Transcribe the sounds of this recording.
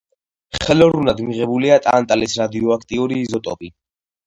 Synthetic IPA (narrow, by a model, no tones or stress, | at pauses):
χɛlɔɾunad̪miʁɛbuliat̪ʼa̰nt̪ʼalisɾad̪iɔakʰt̪ʼiuɾiːzɔt̪ʼɔpʼi